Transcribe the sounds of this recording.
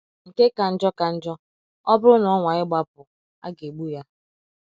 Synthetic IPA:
ŋ̩˨ke˦ka˨n̩˦d͡ʒɔ˦ka˨n̩˦d͡ʒɔ˦ | ɔ˦bʊ˦ʊ˦nɔ˨˦ŋʷa˨ɪ˦ɡ͡ba˦pʊ˨ | a̰˦ɡe˨ɡ͡bu˦ja˦

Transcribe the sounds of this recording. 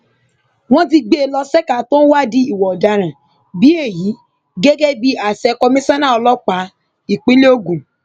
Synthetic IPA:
w̃ɔ̃˦t̬i˧ɡ͡be˦e˦lɔ˧sɛ˦ka˨tõ˦wa˦˨di˧i˨wɔ˨ɔ˨da˧ɾ̃ã˨ | bi˨˦e˦˨ji˨˦ | ɡe˦ɡe˦bi˧a˨sɛ˧kɔ˧mĩ˦sã˦nã˦˨ɔ˧lɔ˦k͡pa˨˦ | i˨k͡pĩ˦le˦o˦˨ɡũ˨

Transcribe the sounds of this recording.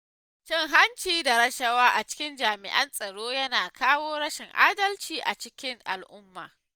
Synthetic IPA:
t͡ʃɪ˦ŋɦa˦nt͡ʃiː˨da˨ɾɐ˦ʃɐ˦waː˦ʔa˨t͡ʃɪ̥˦kʲɪ˦nd͡ʒaː˨mɪ̰˨ʔɐ̰˦nsʼɐ˨ɽoː˦jɐ˦naː˨kaː˦woː˦ɽɐ˦ʃɪ˨ŋʔa̰ː˦dɐ˦lt͡ʃiː˨ʔa˨t͡ʃɪ˦kʲɪ˦ŋʔa̰˨lʔʊ˦mːa̰ː˨

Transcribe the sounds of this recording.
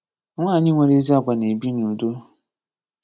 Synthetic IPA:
ŋʷaː˦˨ɲɪ˦ŋʷe˨ɾe˦zi˦ɔ˦˨ɡʷa˨ne˨bi˦nũ˨do˦

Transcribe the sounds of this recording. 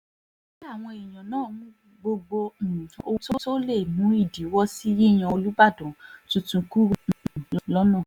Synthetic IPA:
a˦˨w̃ɔ̃˧i˨j̃ã˨nãː˦˨˧mũ˦ | ɡ͡bo˧ɡ͡bo˧˨˦o˧˦to˦to˦le˦˨mũ˨˦i˦˨di˨˦wɔ˦si˦ji˦˨j̃ã˧˨o˧lu˦ba˦˨dɔ̃˨tũ˧tũ˧ku˦˨llɔ˦nã˦˨

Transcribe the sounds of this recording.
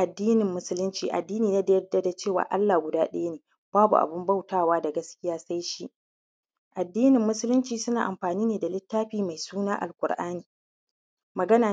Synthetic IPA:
ʔa˨dːiː˦nɪ˨mːʊ˦sʊ˦lʊ˦nt͡ʃiː˨ʔa̰˨dːiː˦niː˨naː˦da˦jɐ˦da˦da˨t͡ʃeː˦˨wa̰ː˨ʔa˦lːaː˨ɡʷʊ˨daː˦ɗɐ̰˦ja˦neː˨ | b̥aː˦bṵ˨ʔa̰˨bɪ˦mba˦˨wtaː˦˨waː˦da˨ɡɐ˦skʲɪ˦jaː˦sa˦jʃi˦ʔ | ʔa˨dːiː˦nɪ˨mːʊ˦sʊ˦lʊ˦nt͡ʃiː˨sʊ˦naː˨ʔa˨mɸaː˨niː˦neː˨da˨lɪ˦tːaː˦ɸiː˦ma˨jsuː˦naː˦ʔa̰˨lkʷʼʊ̰˨ɾʔaː˦niː˨ | mɐ˨ɡɐ˦naː˨

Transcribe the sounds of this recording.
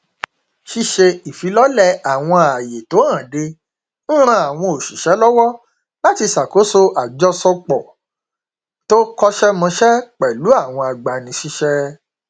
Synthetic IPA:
ʃi˧ʃe˧i˨fi˨˦lɔ˦lɛ˦˨a˨w̃ɔ̃˧˨a˨je˨to˨˦ã˦˨de˧ | n̩˦ɾ̃ã˦a˨w̃ɔ̃˧o˨ʃi˨ʃɛ˨˦lɔ˦wɔ˦ | la˦ti˧sa˨ko˨˦so˦ʔa˨d͡ʒɔ˦sɔ˧k͡pɔ˨ | to˦kɔ˦ʃɛ˦mã˧ʃɛ˦k͡pɛ˨lu˨˦a˦˨w̃ɔ̃˧a˨ɡ͡ba˨nĩ˧˦ʃi˦ʃɛ˦

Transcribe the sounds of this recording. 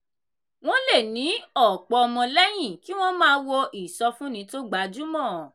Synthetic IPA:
w̃ɔ̃˦le˦˨nĩ˨˦ɔ˨k͡pɔ˧ɔ˧mɔ̃˧lɛ˦j̃ĩ˦˨ki˦w̃ɔ̃˦mãː˦wɔ˧ʔi˨sɔ˧fũ˦nĩ˨˧˦to˦ɡ͡ba˨˦d͡ʒu˦mɔ̃˦˨

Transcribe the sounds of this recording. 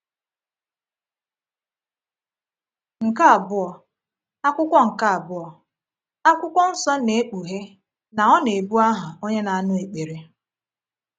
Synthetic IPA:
ŋ̩˨ka˦a˨bʊ˦ɔ˨ | a˦kʷʊ˦kʷɔ˦ŋ̩˨ka˦a˨bʊ˦ɔ˨ | a˦kʷʊ˦kʷɔ˦n̩˦sɔ˦ne˨e˦k͡pu˨ɦe˦ | na˨ɔ˦ne˨bu˦a˦ɦʊ˨o˦ɲe˦na˨a˦nʊ˦e˨k͡pe˨ɾe˨

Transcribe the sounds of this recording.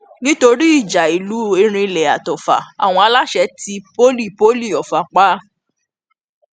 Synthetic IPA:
nĩ˦to˧ɾi˦i˦˨d͡ʒa˨i˨lu˨˦˨e˧˦ɾ̃ĩ˧lɛ˨a̰˨tɔ˨fa̰˨a̰˨w̃ɔ̃˧a˧la˦ʃɛ˧˦ti˧˦po˦li˦˨po˦li˦˨ɔ˨fa˨k͡pa˦

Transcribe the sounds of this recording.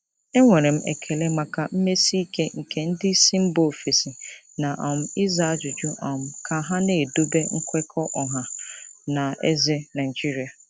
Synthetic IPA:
e˦ŋɔ˨ɾɪ̃˨m̩˦ɛ̰˨kʰɛ˨le˦mã˨kʰa˨m̩˦me˦si˦˨kʰe˦ŋ̩˨kʰɛ˨n̩˦dɪ˦sĩ˦m̩˦bo˨fe˨sɪ˨ | nã˨ʔɔ̃˨m̩˨˦ɪ˦za˦˨d͡ʒʊ˨d͡ʒu˦ʔɔ̃˨m̩˨kʰa˨ɦã˦nɪ̃˦e˨do˦be˦ŋ̩˦kʷʰɛ˦kʰɔ˦ʔɔ˨ɦã˨nã˨ɛ̰˦zɪ˦nã˨ɪ˨d͡ʒi˦ɾi˨a˨

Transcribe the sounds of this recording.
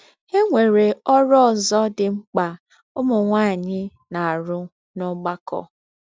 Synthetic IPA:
he˦ŋʷe˨ɾe˨ɔ˦ɾɔ˦ɔ˨zɔ˦dɪ˨ŋ͡m̩˦k͡pa˨ | ʊ˦mʊ˨ŋʷaː˦˨ɲɪ˦ | na˨a˨ɾʊ˦ | nʊ˦ɡ͡ba˦kɔ̰˨

